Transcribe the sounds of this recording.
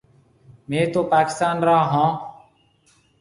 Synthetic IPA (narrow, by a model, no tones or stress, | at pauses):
mẽːt̪oːpaːkɪ̥st̪aːnɾãːɦãː